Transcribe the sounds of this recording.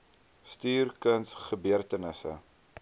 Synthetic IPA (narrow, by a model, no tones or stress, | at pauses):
styːrkənsχəbyərtənəsə̰